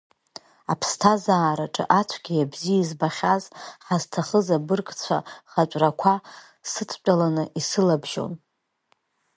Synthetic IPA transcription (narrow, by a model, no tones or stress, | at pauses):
apʰstʰazaːɾaʈ͡ʂʼɨ̰ʔat͡ɕʷʰɡʲiabziizbaχʲazħaztʰaχəzabɨrkʼt͡sʷʰa̰χat͡ʃʷʼrakʷʰa | sɨtʰt͡ʃʷʼalanɨisɨlabʒo̰n